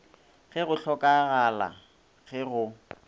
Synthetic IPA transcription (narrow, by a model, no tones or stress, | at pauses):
ɣɛɣʊɬɔkʼaɣala̰ | ɣɛɣʊ